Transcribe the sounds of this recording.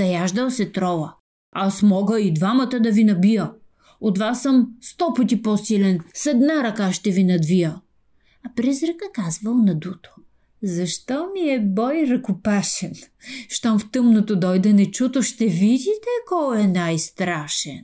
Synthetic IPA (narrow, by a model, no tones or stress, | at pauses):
zɐjaʒd̪ɐlˠsɛt̪ɾɔvɐ | asmɔɡəid̪vamɐt̪əd̪ɐvinɐbijə | ot̪vasːəmst̪ɔpət̪ipɔsilɛnsɛd̪naɾɐkaʃt̪ɛvinɐd̪vijə | ɐpɾɛzɾɛkəkazvəlˠnɐd̪ut̪o̥ | zɐʃt̪ɔmiɛbɔjɾɐkʊpaʃɛn | ʃt̪amft̪ɤmnot̪od̪ɔjd̪ɛnɛt͡ʃut̪oʃt̪ɛvid̪ʲit̪ɛkɔjɛnajst̪ɾaʃɛn